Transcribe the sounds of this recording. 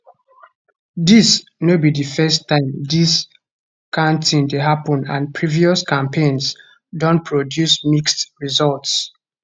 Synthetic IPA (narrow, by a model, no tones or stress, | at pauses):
disnobidɨfɛstʰːãɪ̃mdis | kʰãʊ̃ntĩndeɦapɔ̃nã̰npʰɹiviɔskʰãmpʰẽns | dɔ̃npʰɹɔdjusmikstɹizɔlts